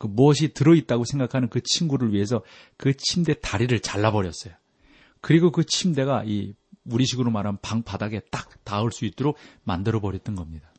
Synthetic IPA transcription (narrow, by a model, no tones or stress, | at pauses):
kɯmuʌɕ̬ʰitɯɾʌit̚t͈aɡosʰe̞ŋɡakʰanɯnkɯt͡ɕʰimɡuɾɯɭɥiɦe̞s̬ʰʌkɯt͡ɕʰimde̞taɾiɾɯɭt͡ɕaɭːabʌɾjʌs͈ʌjo | kɯɾiɡokɯt͡ɕʰimde̞ɣaiuɾiɕʰiɡɯɾomaɾampaŋpadaɡe̞t͈ak̚taɯɭs͈uit̚t͈oɾomandɯɾʌbʌɾjʌt̚t͈ʌnɡʌmɲida